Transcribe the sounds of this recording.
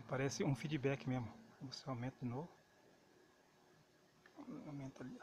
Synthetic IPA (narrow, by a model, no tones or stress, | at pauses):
paɾɛsɪũfid͡ʒibɛkɪmezmʊvoseawmẽnt̪ɐd͡ʒɪnovʊ | awmẽnt̪ɐli